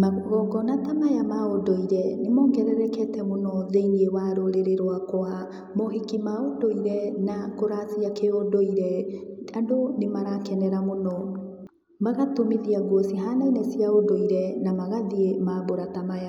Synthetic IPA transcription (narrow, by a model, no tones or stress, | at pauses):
aɣɔɡɔnatamajamaodoiɾɛnemɔːŋɡɛɾɛɾɛkɛtɛmonɔðeiniewaɾoɾeɾeɾowakoa | moɦekimaodoiɾɛnakoɾasiakeodoiɾɛandonemaɾakɛnɛɾamonɔ | maɣatomiðiaɡuɔsiɦanainɛsiaodoiɾɛnamaɣaðiemaboɾatamaja